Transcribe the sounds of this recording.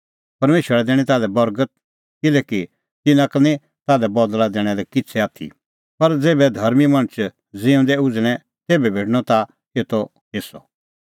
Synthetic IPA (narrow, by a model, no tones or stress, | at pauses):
pɐɾmeːʃəɾɛd̪ɛːɽ̃ĩt̪aːlɛbɐɾɡət̪̚ | kɪlɛːki | t̪ɪnãknĩ | t̪aːlɛbɔd̪lad̪ɛːɽ̃ɛlɛkɪt͡sʰɛaːt̪ʰḭ | pɐɾd͡zeːbɛd̪ʱɐɾmimɐ̃ɽ̃ət͡ʃ | d͡zɪ̃ʊ̃d̪ɛʊd͡zɽ̃ɛ | t̪eːbɛbʱeːʈñɔt̪a | keːt̪o | ɦɪsɔ̰